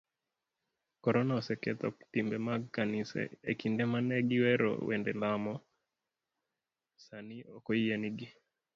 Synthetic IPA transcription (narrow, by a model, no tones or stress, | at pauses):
kɔɾɔnaɔsɛkɛt̪ɔ̰k̚timbɛmaɡkanisɛ̰ekindɛmanɛɡiwɛɾɔ̰wɛ̰ndɛlamɔ | saniɔkɔijaniɡi